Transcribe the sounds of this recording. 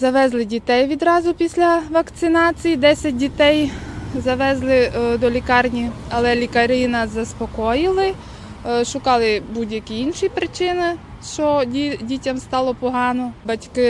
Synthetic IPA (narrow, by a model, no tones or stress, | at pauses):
zɐʋɛzlˠɪdʲit̪ɛjʋʲid̪ɾɑzʊpʲisʲlʲɐʋɐkt̪sɪnɑt͡sʲijid̪ɛsʲɐt̚ʲdʲit̪ɛjzɐʋɛzlˠɪd̪ɔlʲikɑrnʲiɐlˠɛlʲikɐɾɪnɐzɐspɔkɔjɪlˠɪ | ʃʊkɑlˠɪbudʲjɐkʲiinʃipɾɪt͡ʃɪnɪ | ʃt͡ʃɔidʲitʲɐmst̪ɑlˠɔpɔɦɑnɔbɐtʲkɪ